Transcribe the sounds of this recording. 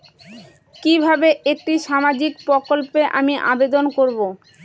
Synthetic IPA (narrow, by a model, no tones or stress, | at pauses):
kibʱabeʔek̚ʈiʃamad͡ʑikpɾokolpeʔamiʔa̰bed̪onkoɾbo